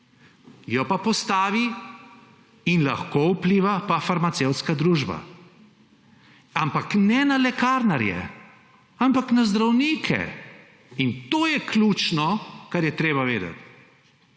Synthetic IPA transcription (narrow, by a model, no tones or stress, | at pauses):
jɔpapɔst̪aːʋi | inla̰xkoupliːʋapafaɾmat̪sewt̪skad̪ɾuːʒba̰ | ampaknɛnalɛkaɾnaɾjɛ̰ | ampaknazd̪ɾawniːkʰɛ̰ | int̪oːjɛkluːt͡ʃnɔkaɾjɛt̪ɾeːbaʋeːd̪a̰t̪